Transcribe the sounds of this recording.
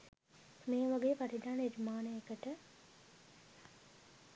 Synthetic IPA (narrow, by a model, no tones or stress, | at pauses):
meːʋaɡeːpaɾid̪aːnəiɾimaːnəekəʈə